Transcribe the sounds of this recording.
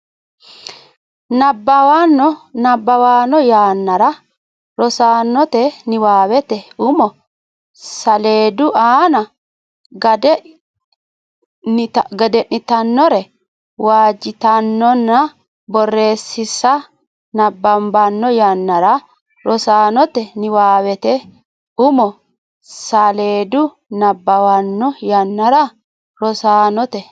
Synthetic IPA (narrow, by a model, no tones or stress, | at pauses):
nɐbːɐwanːɔnɐbːɐwaːnɔjaːnːɐɾɐ | ɾɔsaːnːɔt̪ɛnɪwaːwɛt̪ɛʊmɔ | sɐle̞ːd̪ʊaːnɐ | ɡɐdɛ | t̪ɡɐd̪ɛʔnɪt̪ɐnːɔɾɛ | waːd͡ʒːɪt̪ɐnːɔnːɐ | bɔrːe̞ːsːɪsːɐ | nɐbːɐmbɐnːɔjɐnːɐɾɐ | ɾɔsaːnɔt̪ɛnɪwaːwɛt̪ɛ | ʊmɔ | sɐleːd̪ʊ | nɐbːɐwɐnːɔjɐnːɐɾɐ | ɾɔsaːnɔt̪ɛ